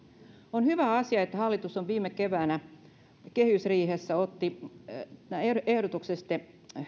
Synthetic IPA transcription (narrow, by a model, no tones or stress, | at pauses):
onhyʋæɑsiɑet̪ːæhɑlːit̪usːoʋʋiːmekeʋæːnæ | kehysriːɦesːæot̪ːi | eehɾot̪uksest̪e